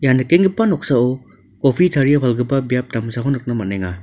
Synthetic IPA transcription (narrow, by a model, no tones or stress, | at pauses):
janakeŋɡipanɔk̚saɔ | kɔpʰitʰaɾijapʰalɡɯbabijap̚tamsaɦɔnɯk̚namat̚naŋa